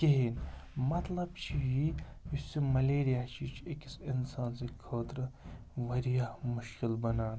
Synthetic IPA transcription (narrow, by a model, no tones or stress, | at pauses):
keɦinmɐt̪lɐbt͡ʃʰijiisimɐleːɾijaːt͡ʃʰit͡ʃʰekisɪnsaːnsekʰoːt̪ɾ | ʋɐɾijamʊʃkɪlbɐnaːn